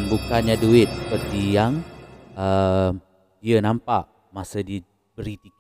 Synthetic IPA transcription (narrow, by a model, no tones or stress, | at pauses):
nbukanɲaduɪt̪̚sə̥pərt̪ijaŋə | diənãmpaʔ | masədi | bəɾit̪ik